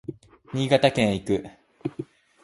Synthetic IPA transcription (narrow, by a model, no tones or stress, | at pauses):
ɲ̟iːɡat̪akẽɰ̃ikɯ̟